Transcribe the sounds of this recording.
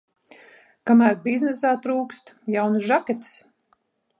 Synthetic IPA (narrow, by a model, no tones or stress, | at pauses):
kamæːɾbiznɛsaːt̪ɾuːkst̪jawnusʒakʲɛt̪i̥s